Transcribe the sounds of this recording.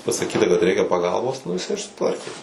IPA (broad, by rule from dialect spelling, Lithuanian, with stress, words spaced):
pɐsɐˈkʲiːtɐ kɐt ˈrʲɛɪkʲɛ pɐˈɡɐlˠboːs ˈnʊ jɪˈsɐɪ ɪr sʊˈtʋɐrʲkʲeː